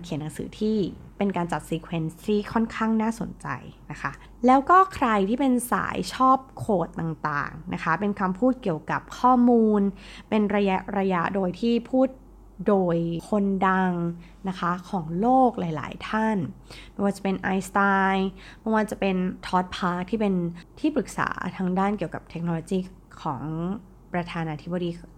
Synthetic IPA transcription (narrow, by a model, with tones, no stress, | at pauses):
kʰi˨˩˦nːa˨˩˦ŋsɯ̰ː˩˦t̪ʰiː˥˩pe˧nkaː˧nt͡ɕa˨˩t̪̚siː˧kʰwe˧nst̪ʰiː˥˩kʰɔ˥˩nkʰaː˥˩ŋnaː˥˩so̰˨˩˦nt͡ɕa̰˧jna˦˥kʰa˦˥ | lɛː˦˥wkɔː˥˩kʰɾa˧jt̪ʰiː˥˩pe˧nsa̰ː˩˦jt͡ɕʰɔː˥˩p̚kʰoː˨˩t̪ːa˨˩ŋt̪a̰ː˨˩ŋna̰˦˥kʰa˦˥pe˧nkʰa˧mpʰuː˥˩t̪̚ki˨˩əwka˨˩p̚kʰɔː˥˩muː˧npe˧nɾa˧ja˦˥ʔɾa˧ja˦˥ʔdoː˧jt̪ʰiː˥˩pʰuː˥˩t̪̚ | doː˧jkʰo˧nda˧ŋ | na˦˥kʰa˦˥kʰɔː˩˦ŋloː˥˩k̚laː˩˦jla̰ː˩˦jt̪ʰa˥˩nm˧˥ŋwaː˧˥˩t͡ɕa˨˩pe˧nʔa˧jst̪aː˧jmɔ˥˩waː˧˩t͡ɕa˨˩pe˧nt̪ʰɔː˦˥t̪̚pʰaː˦˥k̚t̪ʰiː˥˩pe˧nt̪ʰiː˥˩pɾɯ˨˩k̚sa̰ː˩˦t̪ʰaː˧ŋdaː˥˩nki˨˩əwka˨˩p̚t̪ʰe˦˥k̚no˧loː˧kiː˥˩ | kʰɔ̰ː˩˦ŋ | pɾa˧t̪ʰaː˧naː˧t̪ʰi˦˥ba˧diː˧